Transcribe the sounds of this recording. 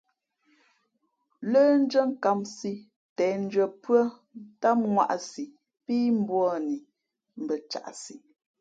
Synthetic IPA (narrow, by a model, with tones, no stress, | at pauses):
ləː˦n̩˦d͡ʒə˦˨ŋ̩˨ka˨msi˦ | tɛː˨n̩˦d͡ʒə˨pɰə˦ | ta˦ŋwa̰˦˨ʔsi˨ | piː˦m̩˦bwɔ˦˨ni˨ | m̩˨bə˨t͡ʃa̰˨ʔsi˨